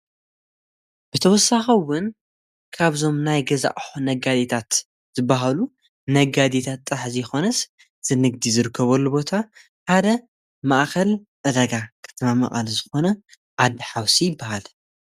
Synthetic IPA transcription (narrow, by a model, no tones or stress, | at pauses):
b̥ɨt̪ʰɐwɔsːaxɐwʊn | kʰaβzo̞mnajɡɐza̰ʔʼħonɐɡad̪et̪ʰat̪ | z̥ɨbːaɦalu | nɐɡad̪et̪ʰat̪ʼːɐħzijɛxo̞nɐs | z̥ɨnɨɡ̚d̪izɨɾɨkʰːɐβɐlːubo̞t̪ʰa | ħad̪ɐ | maʔkʰɐl | ʔɨd̪ɐɡakʰɨ̥t̪ʰmamɐ̰χʼalzɨxo̞nɐ | ʕad̪ɨħawsijɪbːahal